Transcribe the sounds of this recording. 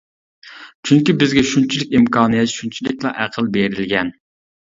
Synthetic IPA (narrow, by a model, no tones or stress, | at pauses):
t͡ʃʰyŋkʲibɪzɡʲɛʃunt͡ʃʰilɪkʲimkʰɑːnɨjɛt̪ʃunt͡ʃʰilɪkʲlˠɑʔæqʰəlˠbeɾɪlɡʲɛn